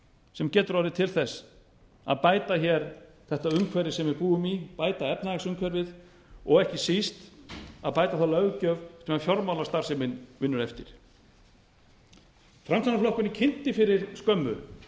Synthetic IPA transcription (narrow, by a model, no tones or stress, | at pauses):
sɛmcɛːt̪ʏɾawðɪt̪ʰɪlθɛs | a̰ðpaːjt̪açɛɾ | θɛht̪aʏmkʰvɛɾɪsɛmvɪɾpuːɣʏmipaːjt̪aɛpnaɛsʏmkʰvɛɾvɪð | ɔɣɛhcɪsist̪aðpaːjt̪aθalœɣcœvsɛmafjɔɾmawlast̪aɾ̥sɛmɪnvɪnːʏɾɛft̪ɪɾ̥ | fɾamst̪ʰanaflɔhkʏnɪcʰɪnt̪ɪfɪɾɪɾ̥skœmːʏ̰